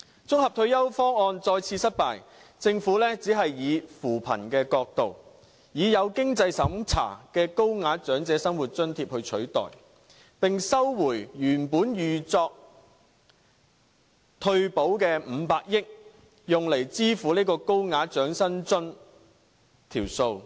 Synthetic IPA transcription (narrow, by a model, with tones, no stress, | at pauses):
t͡sʊ˥ŋhɐ˨p̚t̪ʰɵ˧ɥjɐ˥wfɔː˥ŋɔː˧nt͡sɔː˧jt͡sʰiː˧sɐ˥t̚paː˨j | t͡sɪ˧ŋfuː˨˥lɛː˥t͡siː˨˥ɦɐ˨jːiː˨˧fuː˨˩pʰɐ̰˨˩nkɛː˧kɔː˧k̚t̪o˨w | jiː˨jɐ˨˧wkɪ˥ŋt͡sɐ˧jsɐ˨˥mt͡sʰa̰ː˨˩kɛː˧ko˥wŋaː˨˥t͡ʃœː˨˥ŋt͡sɛː˨˧˥sɐ˥ŋwuː˨˩t̚t͡ʃɵ˥nt̪ʰiː˧p̚hɵ˧ɥt͡ʃʰɵ˨˥ɥt̪ɔ̰ː˨˩j | pɪ˨ŋsɐ˥wwuː˨˩jjyː˨˩npuː˨˥njyː˨t͡sɔː˧k̚ | t̪ʰɵ˧ɥpo˨˥wkɛː˧m̩ː˨˧paː˧k̚jɪ˥k̚ | jʊ˨ŋle˨˩jt͡siː˥fuː˨˥niː˥kɔː˧ko˥wŋaː˨˥t͡ʃœː˨˥ŋsɐ˥nt͡sɵ˥n | t̪ʰiː˨˩wso˧w